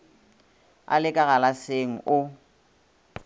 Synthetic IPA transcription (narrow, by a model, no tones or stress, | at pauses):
a̰lɪkʼaɣalaseŋ̩ʔʊ